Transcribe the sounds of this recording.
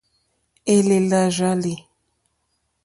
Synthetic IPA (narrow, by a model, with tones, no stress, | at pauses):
e˦le˨la˨ʒa˦li˨